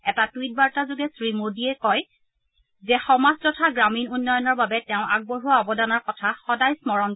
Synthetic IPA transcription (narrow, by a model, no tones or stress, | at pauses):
ɛtatwit̚baɹtazʊɡɛsɹimodiɛkɔj | zɛxɔmastɔtʰaɡɹaminunːɔjɔnɔɹbabɛtɛʊ̃ʔaɡ̚boɦuaɔbɔdanɔɹkɔtʰaxɔdajsmɔɹɔn